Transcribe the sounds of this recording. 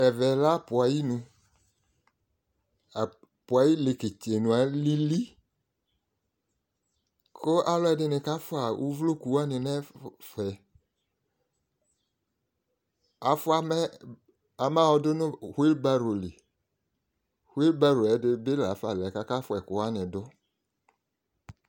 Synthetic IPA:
ɛ˨vɛ˨la˦˨pʊ˨a˨ji˦nũ˧ | a˨ | pʊ˨a˨ji˦le˨ke˨t͡ʃe˨nũ˨a˨˦li˦li˦ | kʰʊ˦ʔa˦lɔ˦ɛ˨dɪ˦nɪ˨ka˦fʊ˦a˨ʔu˦vlo˦˨ku˨wa˦nɪ˨nɛ˦fɛ˨ | a˨fʊ˦a˦m˦ | a˨ma˦wɔ˦dʊ˦nʊ̃˦hi˦lba˦ɾo˨lɪ˨ | hwi˦lba˦ɾo˨ɛ˨˦dɪ˦bɪ˦la˨˦fa˨lɛ˨ka˦ka˦fʊ˦ɛ˨kʊ˨wa˦nɪ̃˨dʊ˦

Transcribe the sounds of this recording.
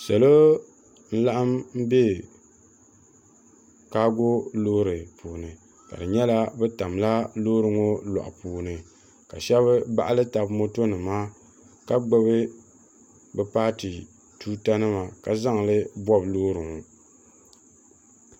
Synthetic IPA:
sɛ˨lo˦ | n̩˦la˦ʔa˦mm̩˦be˦ | ka˦ɡo˦loː˦ɾɨ˨pʰuː˨nɨ˨ | ka̰˨dɨ˨ɲɛ˦la˦bɛ˦ta˨mla˦loː˦ɾɨ˨ŋo˦lɔ̰˨ʔa̰˨puː˨nɨ˨ | ka˨ʃɛ˦βɨ˦ba̰˦ʔa˦lɨ˦ta˨bmo˦to˦nɨ˨maː˦ | ka˦ɡ͡bɛ˦βɨ˦ | bɛ˦paː˦tɨ˨ | tuː˦ta˦nɨ˦ma˨ka˨za˦ŋ˨lɨ˦bɔ˦bloː˦ɾɨ˨ŋo˨

